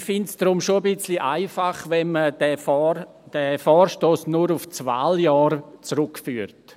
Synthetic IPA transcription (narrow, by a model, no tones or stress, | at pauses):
fɪntsd̥ɾʊmʃoɐbɪt͡sliʔaɪfaχvɛnmədɛfɔ | d̥ɛfɔːrʃtoːsnuɾuft͡svaːljɑːɾt͡sɾʊkfyːɾt